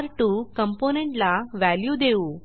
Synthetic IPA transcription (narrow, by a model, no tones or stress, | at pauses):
ɾʈuːkəmponẽɳʈlaʋæljuːd̪eũː